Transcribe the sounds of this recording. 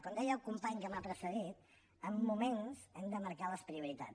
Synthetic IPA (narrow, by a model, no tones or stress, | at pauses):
kond̪ɛjəlˠkumpaɲkəmapɾəsəðit̪̚ | əmːumenzɛmd̪əməɾkaləspɾiuɾit̪a̰